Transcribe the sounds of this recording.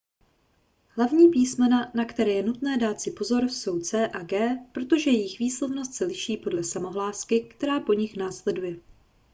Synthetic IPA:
ɦlavɲiːpiːsmɛnanakt̪ɛɾɛːjɛnut̪nɛːdaːt̪sɪpo̞zo̞ɾso̞wt͡sɛːʔaɡɛːpɾo̞t̪o̞ʒɛjɛjɪxviːslo̞vno̞st̪sɛlɪʃiːpo̞dlɛsamo̞ɦlaːskɪkt̪ɛɾaːpo̞ɲɪxnaːslɛdujɛ

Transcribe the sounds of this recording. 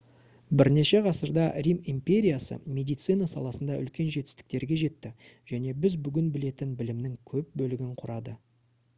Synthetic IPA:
bɪɾne̞ʃe̞ʁɑsəɾd̪ɑrʲimimpʲe̞ɾʲijasə̰mʲe̞d̪ijt̪s̪ɨnɑsɑ̰lˠɑsənd̪ɑʔʏlkʲe̞nʒe̞t̪ɪst̪ɪ̥k̚t̪e̞ɾɡʲe̞ʒe̞t̪ːɪʒ̥æne̞bɪzbʏɡʲɪnbɪle̞t̪ɪnbɪlɪmnɪŋkʲʰɵp̚bɵlɪɡʲɪɴqʰʊɾɑd̪ə

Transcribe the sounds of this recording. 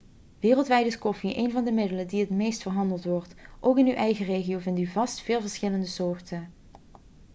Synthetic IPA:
ʋɪːrəlˠtʋɛjdəskɔfiʔḛjnvɑndəmɪdələdiɦətmejstfəɹɦɑndəlˠtʋɔɹtʔowkɪnywʔɛjχəreːχiowvɪntyvɑstfɪːlˠvəɹsχɪləndəsoːɹtən

